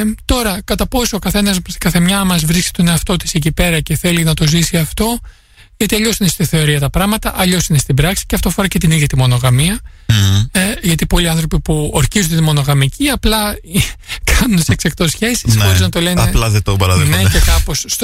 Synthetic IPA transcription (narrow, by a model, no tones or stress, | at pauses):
t̪o̞ɾɐkɐt̪ɐpo̞soːkɐθe̞nɐskɐθemɲɐmɐzvɾisci̥t̪o̞ne̞ɐft̪o̞t̪i̥secipe̞ɾɐce̞θe̞linɐt̪o̞zisiɐft̪o̞ | ʝɐt̪iɐʎo̞sinest̪iθe̞o̞ɾiɐt̪ɐpɾɐɣmɐt̪ɐʔɐʎo̞sine̞st̪ibɾɐksi̥ceɐft̪oɐfoɾɐce̞t̪iniðʝɐt̪imo̞no̞ɣɐmiɐ | ʝɐt̪ipo̞liɐnθɾo̞pipuoɾçizunt̪imo̞no̞ɣɐmicʰiɐplɐ | kʰɐnunt̪seksɐkt̪o̞sçe̞sisxo̞ɾiznɐt̪o̞lenɐeplɐðet̪obɐɾɐðene̞cekɐpo̞sː